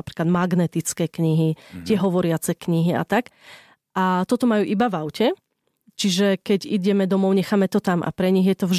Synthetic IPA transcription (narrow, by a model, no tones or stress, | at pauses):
pɾi̥ːklad̪maɡnɛt̪it͡skɛːkɲiɦit̪ɪɛɦɔʋɔɾɪat͡sɛkɲiɦia̰t̪ak | ʔat̪ɔt̪ɔmajuːʔibaʋaʊcɛ | t͡ʃiʒɛkɛɟiɟɛmɛd̪ɔmɔʊɲɛxaːmɛt̪ɔt̪amʔa̰pɾɛɲiɣjɛt̪ɔvʒ